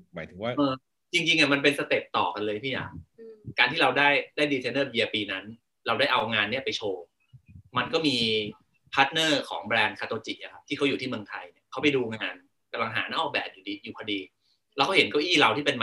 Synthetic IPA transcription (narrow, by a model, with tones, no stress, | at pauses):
maː˨˦t̪ʰɯ˩˦ŋwa˥˩ʔɤː˧ | t͡ɕi˧ŋt͡ɕi˧ŋʔa˨˩ma˧np̬e˧nsa˧t̪e˨˩p̚t̪ɔː˨˩ka˧nlɤː˧jt̪ʰiː˥˩ja̰ː˨˩˦ŋ̚kaː˧nt̪ʰiː˥˩ɾa˧wdaː˥˩jdaː˥˩jdiː˧t͡ɕ̪ʰe˧nɤː˥˩bi˧ɐpiː˧na˦˥n | ɾa˧wdaː˥˩jʔa˧wŋaː˧nːi˥˩ɐpa˧jt͡ɕʰoː˧ | ma˧nkɔː˥˩miː˧ | pʰa˦˥t̪̚nɤː˥˩kʰɔː˩˦ŋbɾɛː˧nkʰaː˧t̪oː˧t͡ɕi˨˩k̚ʔa˨˩kʰa˦˥t̪ʰiː˥˩kʰa˦˥ju˨˩t̪ʰiː˥˩mɯ˧əŋt̪ʰa˧jni˥˩ɐkʰa˦˥wpa˧jduː˧ŋaː˧n | ka˧mla˧ŋɦa̰ː˩˦naː˥˩ʔɔː˥˩k̚bɛː˨˩p̚juː˨˩diː˧juː˨˩kʰa˧diː˧ | lɛː˦˥wkʰa˥˩ɦe˩˦nkɔː˥˩ʔiː˥˩ɾa˧wt̪ʰiː˥˩pe˧nma˧